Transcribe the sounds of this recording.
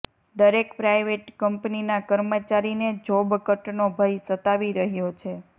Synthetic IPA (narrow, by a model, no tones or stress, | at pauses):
d̪əɾekpɾajʋeʈkəmpninakəɾmət͡ʃaɾined͡ʒobkəʈnobʱəjsət̪aʋiɾəɦjot͡ʃʰe